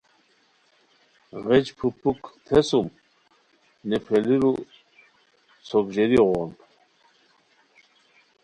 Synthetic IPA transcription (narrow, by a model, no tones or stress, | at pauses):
ʁɛt͡ʃpʰupːukt̪ʰɛsum | nɛpʰɛliɾu | t͡sʰɔɡʒeɾiʁɔn